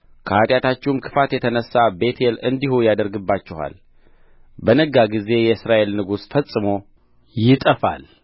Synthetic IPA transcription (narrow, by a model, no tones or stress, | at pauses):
kʰəat̪ʼjat̪ʰat͡ʃːɛwumkʰɨ̥fat̪jɛt̪ʰənəsːabe̞t̪ʰelɨnd̪ihujad̪əɾɡɨbːat͡ʃːɛha̰l | bənəɡaɡize̞jɛsɾaʔe̞lnɨɡusfəsʼɨmo̞ | jɪt̪ʼəfa̰l